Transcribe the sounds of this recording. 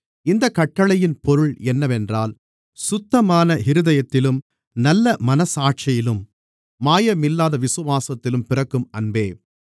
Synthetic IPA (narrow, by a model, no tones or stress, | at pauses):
ɪnd̪ɐkːɐʈːɐɭɐjɪnpɔɾɯɭɛnːɐʋɛndraːl | sʊt̪ːɐmaːnɐhɪɾɯðɐjɐt̪ːɪlɯm | nɐlːɐmɐnɐsaːʈ̚t͡ʃɐjɪlɯm | maːjɐmɪlːaːðɐʋɪsɯʋaːsɐt̪ːɪlɯmpɪrɐkːɯmɐnbeː